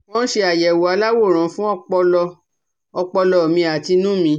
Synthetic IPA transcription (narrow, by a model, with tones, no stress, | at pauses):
mɔ̃˦n̩˦ʃe˧a˨jɛ˨wo˨a˨˧˦la˦wo˦˨ɾ̃ã˨˦fũ˦ɔ˦k͡pɔ˧lɔ˧ | ɔ˧k͡pɔ˧lɔ˧˨mĩ˧a˨ti˧nũ˦mĩ˧˦